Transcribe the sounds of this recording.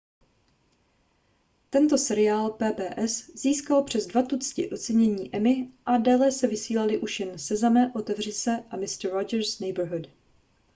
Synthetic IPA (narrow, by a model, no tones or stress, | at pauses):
t̪ɛnt̪o̞sɛɾɪaːlpɛːbɛːʔɛsz̥iːskalpr̝̥ɛzdvat̪ut͡scɪʔo̞t͡sɛɲɛɲiːʔɛmɪʔadaːlɛsɛvɪsiːlalɪʔuʃjɛnsɛzamɛʔo̞t̪ɛvrɪsɛʔamɪst̪ɾod͡ʒɛɾsnɛjbɾɦud